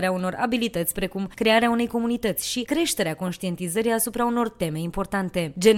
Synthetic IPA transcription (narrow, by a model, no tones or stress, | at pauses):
ɾeauno̞rʔa̰bilit̪ət̪sʲpɾe̞kumkɾe̞aɾeaune̞jko̞munit̪ət̪sʲʃikɾe̞ʃt̪e̞ɾeako̞nʃt̪ie̞nt̪izəɾiasupɾauno̞rt̪e̞me̞impo̞rt̪ant̪e̞d͡ʒe̞n